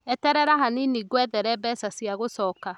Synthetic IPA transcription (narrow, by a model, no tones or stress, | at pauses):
ɛtɛɾɛɾaɦaniniɡwɛðɛɾɛbɛsasjaɣosɔːka